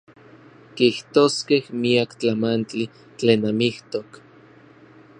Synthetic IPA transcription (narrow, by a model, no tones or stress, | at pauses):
kiht̪oːskehmiakt͡ɬamant͡ɬi | t͡ɬeːnamiht̪ok